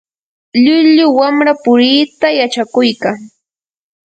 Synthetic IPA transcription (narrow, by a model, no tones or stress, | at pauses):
ʎʊʎʊwamɾapʊɾiːt̪ajat͡ʃakʊjkaŋ